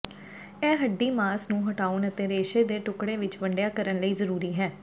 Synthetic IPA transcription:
ɛːɦəɖːiːmaːsnũːɦəʈaːʊnət̪eːɾeːʃeːd̪eːʈʊkɽeːʋɪt͡ʃʋəɳɖjaːkəɾənləiːzəɾuːɾiːɦɛː

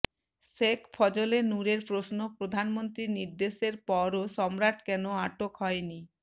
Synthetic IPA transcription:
ʃekpʰɔd͡ʑolenuɾeɾpɾosnopɾod̪ʱanmont̪ɾiɾniɾd̪eʃeɾpɔɾoʃɔmɾaʈkɛnoaʈokɦɔeni

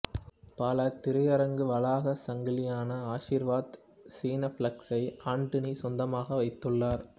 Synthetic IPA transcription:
paːlɐt̪ɪɾɯjɐɾɐŋɡɯʋɐlaːɣɐsɐŋɡɪlɪjaːnɐaːʂiːɾʋaːd̪ | siːnɐflɐksɐɪaːɳɖɯnisɔnd̪ɐmaːɣɐʋɐɪt̪ːɯɭːaːɾ

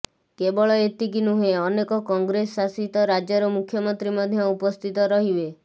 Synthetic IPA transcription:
kebɔɭɔet̪ikinuɦeɔnekɔkɔŋɡɾesːasit̪ɔɾad͡ʒɔɾɔmukʰːjɔmɔnt̪ɾimɔd̪ʱjɔupɔst̪ʰit̪ɔɾɔɦibe

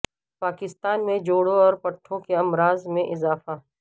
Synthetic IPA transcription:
paːkɪst̪aːnmẽd͡ʒoːɽõɔːɾpɐʈʰːõkeɐmɾaːzmẽʔɪzaːfa

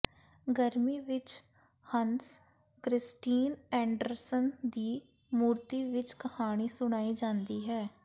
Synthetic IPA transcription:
ɡəɾmiːʋɪt͡ʃ | həns | kɾɪsʈiːnɛ̃ːɳɖəɾsənd̪iː | muːɾt̪iːʋɪt͡ʃkəhaːɽ̃iːsʊɽ̃aːid͡ʒãːnd̪iːɦɛː

